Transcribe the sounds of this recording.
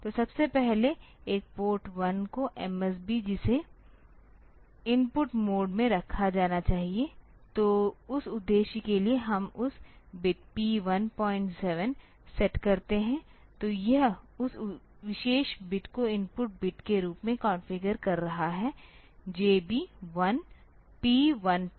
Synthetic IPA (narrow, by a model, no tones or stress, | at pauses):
t̪osɐbsepɛɦleeːk̚poːɾʈʋɐnkoʔɛmɛs̬bid͡ʒɪse | ɪmpʊʈmoːɖmẽɾɐkʰad͡ʒaːnat͡ʃaːɦie | t̪oːʊsʊd̪ːeːʃikelieɦɐmʊsbɪʈ̚piːʋɐnpɔːɪ̃ɳʈsɛʋən | sɛʈkɐɾt̪eɦɛ̃ | t̪oːjɐɦʊs | ʋɪʃeːʃbɪʈkoɪ̃mpʊʈ̚bɪʈkeɾuːpmẽkãːnfɪɡəɾkɐɾːɐɦaɦɛː | d͡ʒeːbʱiʋɐn | piːʋɐn